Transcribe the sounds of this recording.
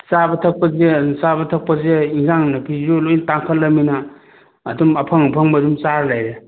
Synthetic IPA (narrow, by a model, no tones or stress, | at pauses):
sabɐtʰɐk̚pɐzesabɐtʰɐk̚pɐzeiŋzaŋnɐpʰizolojntaŋkʰɐlːɐmːinɐː | dumɐpʰɐŋpʰɐŋbɐːdumsaɾlajɾe